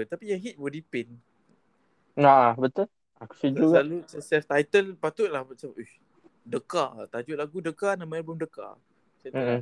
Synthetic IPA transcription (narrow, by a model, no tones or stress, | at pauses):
t̪apijaŋɦit̪̚bɔdipɪn | abət̪ʊl | aku̥səd͡ʒuɡalussɛft̪ajt̪əlpat̪ʊʔ̪̚lahmat͡ʃamuh | dəkat̪ad͡ʒʊʔ̪laɡudəkanamãalbɔmdəka̰ | sa